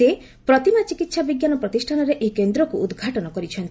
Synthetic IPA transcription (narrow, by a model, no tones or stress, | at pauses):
e | pɾɔt̪imat͡ʃikit̪sabiɡjanɔpɾɔt̪isʈʰanɔɾeʔekend̪ɾɔkuːd̪ɡʱaʈɔnɔkɔɾit͡ʃʰɔnt̪i̥